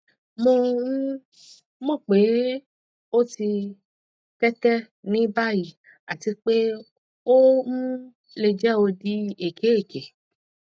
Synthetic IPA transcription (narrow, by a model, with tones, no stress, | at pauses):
mõ˧˦ | mõ˦˨k͡pe˨˦ | o˦ti˧ | kɛ˦tɛ˦ | nĩ˨˦ba˦˨ji˨ | a˨ti˧k͡pe˦ | o˦mũ˦ | le˧d͡ʒɛ˦o˧di˧˦e˨ke˨˦e˦˨ke˨